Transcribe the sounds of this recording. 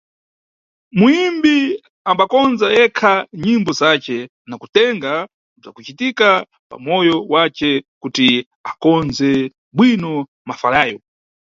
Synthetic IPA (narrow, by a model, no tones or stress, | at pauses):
muimbi | ambakɔnzajɛkʰaɲimbɔzat͡ʃɛ | nakutɛŋɡa | b͡ʐa̰kut͡ʃitika | pa̰mɔjɔwat͡ʃɛkuti | akɔnzɛ | bwinɔ | mafalaːjɔ